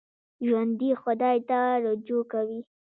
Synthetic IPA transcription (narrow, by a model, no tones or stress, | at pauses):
ʒwand̪ixʊd̪ɑjt̪aɾod͡ʒokawi